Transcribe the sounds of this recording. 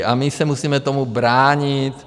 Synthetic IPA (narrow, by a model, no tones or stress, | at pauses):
ʔamɪsɛmusiːmɛt̪omubɾaːɲit̪